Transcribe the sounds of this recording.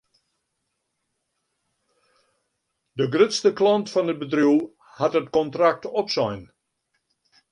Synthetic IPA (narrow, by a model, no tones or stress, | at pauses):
dəɡrʏtstəklɔntfɔnəbədruw | hatətkɔntrak̚tɔpsɔjn